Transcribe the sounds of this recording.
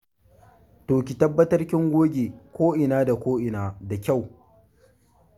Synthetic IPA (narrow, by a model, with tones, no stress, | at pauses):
toː˨kʲi˨tɐ˦bːɐ˦tɐ˦rkʲɪ˦ŋɡʷoː˦ɡʲeː˨kʷoː˦ʔɪ˨naː˦da˨kʷoː˦ʔɪ˨naː˨da˨kʲa˦˨w